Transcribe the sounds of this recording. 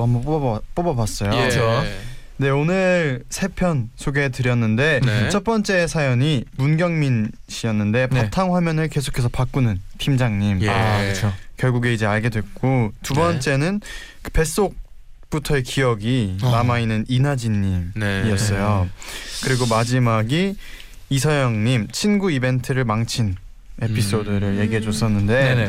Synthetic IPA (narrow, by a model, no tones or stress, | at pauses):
amʌpp͈obʌbas͈ʌjoʌnde̞onɯɭsʰe̞pʰjʌnsʰoɡe̞tɯɾjʌnːɯnde̞t͡ɕʰʌt̚p͈ʌnt͡ɕ͈e̞sʰajʌɲimunɡjʌŋminɕʰiʌnːɯnde̞patʰaŋɸwamjʌnɯɭke̞sʰo̥kʰe̞s̬ʰʌpak͈unɯntʰimd͡ʑaŋɲimɯt͡ɕʰokjʌɭɡuɡe̞id͡ʑe̞aɭɡe̞dwe̞k͈otubʌnt͡ɕ͈e̞nɯn | kɯpe̞s͈ok̚ | p͈utʰʌekijʌɡinamainːɯninad͡ʑinːimniʌs͈ʌjokɯɾiɡomad͡ʑimaɡiː | sʰʌjʌŋɲimt͡ɕʰinɡuibe̞ntʰɯɾɯɭmaŋt͡ɕʰin | e̞pʰis͈odɯɾɯɭje̞ɡiɦe̞d͡ʑos͈ʌnːɯnde̞